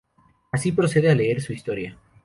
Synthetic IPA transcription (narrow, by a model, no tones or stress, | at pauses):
asipɾo̞se̞ðeale̞eɾsuist̪o̞ɾja